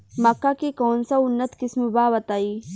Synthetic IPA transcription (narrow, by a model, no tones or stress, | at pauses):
mɐkːakekoːnsaʊnːət̪kɪsmebaːbɐt̪aːiː